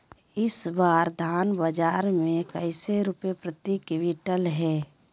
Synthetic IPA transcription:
ɪsbaːɾd̪ʱaːnbəd͡ʒaːɾmẽkəɪseɾʊpepɾət̪ikwɪʈəlɦɛː

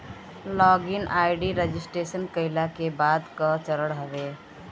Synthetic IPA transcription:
lɔɡinajɖiɾed͡ʒisʈɾesənkəɪlakebad̪kət͡ʃəɾəɽɦəbe

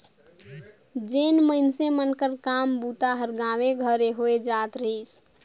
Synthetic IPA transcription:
d͡ʒenməɪnsemənkəɾkambut̪aɦəɾɡãʋeɡʱəɾeɦoed͡ʒat̪ɾəɦis

